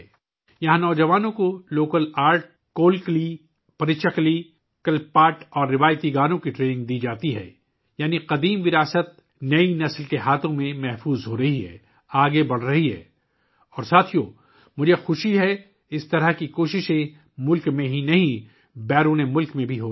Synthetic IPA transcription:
jɐɦãnɔːd͡ʒɐʋaːnõkoloːkəlaːɾʈ̚ | koːlkli | pɐɾɪt͡ʃəkli | kɐlpaːʈɔːɾːɪʋaːjt̪iɡaːnõkiʈɾeːnɪ̃ŋɡd̪iːd͡ʒaːt̪iɦɛ̰ː | jaːniqɐd̪iːmʋɪɾaːsət̪̚ | nɐinɐslkeɦaːt̪ʰõmẽmɛɦfuːzɦoːɾɐɦiɦɛ̰ː | aːɡebɐɽ̤ɾɐɦiɦɛ̰ː | ɔːɾsaːt̪ʰijo | mʊd͡ʒʱexʊʃiɦɛ | ɪst̪ɐɾəɦkikoːʃɪʃẽ | mʊlkmẽɦinɐɦĩ | bɛːɾuːnemʊlkmẽbʱiɦoː

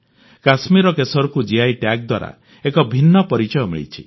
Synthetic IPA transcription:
kasmiɾɔkesɔɾɔkud͡ʒiajʈjak̚d̪waɾa̰ | ekɔbʱinːɔpɔɾit͡ʃɔjɔmḭɭḭt͡ʃʰḭ

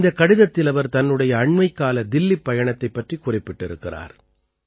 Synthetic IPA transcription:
d̪ɐkːɐɽɪðɐt̪ːɪlɐʋɐɾt̪ɐnːɯɽɐjɐːɳmɐɪkːaːlɐd̪ɪlːipːɐjɐɳɐt̪ːɐɪpːɐʈrikʊrɪpːɪʈːɪɾɯ̰kːɪra̰ːɾ

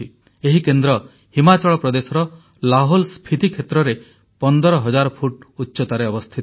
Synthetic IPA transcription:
i | eɦikend̪ɾɔ | himat͡ʃɔɭɔpɾɔd̪esɔɾɔ | laɦolspʰit̪ikʰet̪ɾɔɾe | pɔnd̪ɔɾɔɦɔd͡ʒaɾɔpʰuʈutːʃɔt̪aɾeɔbɔst̪ʰit̪

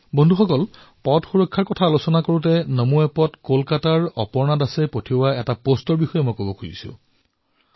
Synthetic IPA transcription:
bondʱuxɔkɔl | pɔtxuɹɔkʰːaɹkɔtʰaːlosɔnakoɹutɛnomuɛpɔtkolkataɹɔ̰pɔɹnadasɛpotʰiowaɛtapostɔɹbixɔjɛmɔjkobɔkʰojḭsʊ̰̃

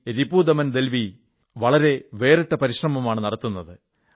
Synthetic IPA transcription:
ɾibuːd̪ɐmɐnd̪e̞lʋi | ʋɐɭɐɾe̞ʋe̞ːriʈːɐpɐɾiɕrɐmɐmaːɳɨnɐɽɐt̪ːunːɐðɨ

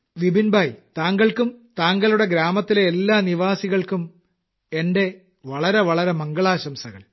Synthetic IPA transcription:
ʋibinbʱaːjt̪aːŋɡɐɭkumt̪aːŋɡɐɭuɽe̞ɡɾaːmɐt̪ːileːlːaːniʋaːsiɣɐɭkum | e̞nde̞ | ʋɐɭɐɾe̞ʋɐɭɐɾemɐŋɡɐɭaːɕɐmsɐɣɐ̰ɭ

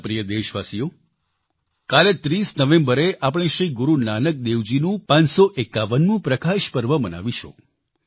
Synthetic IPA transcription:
pɾijəd̪eʃʋasijo | kalet̪ɾisnəʋẽmbəɾeʔapɽ̃eʃɾiɡʊɾunanək̚d̪eʋd͡ʒinũpãnsoʔekːaʋənnũpɾəkaʃpəɾʋəməna̰ʋiʃʰõ̰

